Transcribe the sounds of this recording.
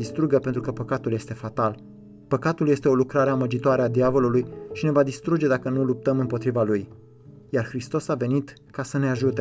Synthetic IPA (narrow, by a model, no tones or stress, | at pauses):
ist̪ɾuɡəpe̞nt̪ɾukəpəkat̪ulje̞st̪e̞fat̪al | pəkat̪uljest̪e̞o̞lukɾaɾe̞aməd͡ʒit̪oaɾead̪iavo̞lulujʃine̞vad̪ist̪ɾud͡ʒe̞d̪akənulup̚t̪əmɨmpo̞t̪ɾivaluj | jarxɾist̪o̞save̞nit̪ | kasəneaʒut̪e